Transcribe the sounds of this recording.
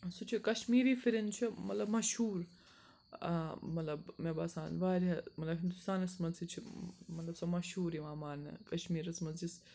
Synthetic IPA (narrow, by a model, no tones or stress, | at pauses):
sut͡ʃʰikɐʃmiːɾiːfʰiɾint͡ʃʰimɐt̪lɐbmɐʃhuːɾ | mɐt̪lɐbmebaːsaːnʋaːɾʲɐmɐt̪lɐbɦind̪ust̪aːnɐsmɐnsit͡ʃʰimɐt̪lɐbsɐmɐʃhuːɾiʋaːmaːɾnɐ̰kɐʃmiːɾɐsmɐzd͡ʒis